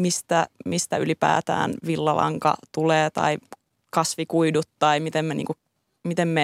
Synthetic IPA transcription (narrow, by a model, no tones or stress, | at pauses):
mist̪æmist̪æylipæ̰ːt̪æ̰ːnʋilːɑlʔɑ̰ŋkɑ̰t̪uleːt̪ɑ̰i | kɑsʋikuidut̪t̪ɑimit̪emmenḭːŋku | mit̪emme